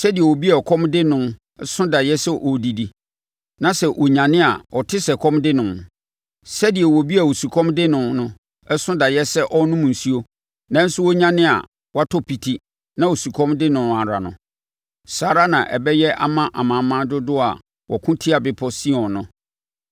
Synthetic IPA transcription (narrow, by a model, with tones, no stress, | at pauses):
sɛ˦di˨ɛ˨wo˨bi˦ɛ˨kʰɔ̃˦mdɪ˦nʊ̃˦ | ɛ˦sʊ̃˦da˨jɛ˦sɛ˦ʔɔ˨di˨di˨ | nã˨sɛ˨ʔɔ˨ɲã˨nɪ̃˦a̰˨ɔ˨tʰɪ˦sɛ˨kʰɔ̃˦mdɪ˦nʊ̃˨ | sɛ˦di˨ɛ˨wɔ˨bi˦a˨wo˨su˨kʰɔ̃˦mdɪ˦nʊ̃˨nʊ̃˦ | ɛ˦sʊ̃˦da˨jɛ˦sɛ˦ʔɔ˦nʊ̃˦mũ˨n̩˨su˦o˦ | nã˦n̩˦sʊ˦wɔ˦ɲã˦nɪ̃˦a̰˨ | wa˦tʰɔ˦pʰi˨tʰi˦ | nã˦wo˨su˨kʰɔ̃˦mdɪ˦nʊ̃˨a˨ɾa˨nʊ̰̃˨ | saː˦ɾa˦nã̰˨ʔɛ̰˨bɛ˦jɛ˦ʔa̰˦mã˦ʔa˨mã˨mã˦dʊ˦dʊ˦a̰˨ | wɔ˨kʰʊ̃˦tʰi˦a˨bɪ˨˦pʰɔ˦si˦ɔ̃˨nʊ̃˦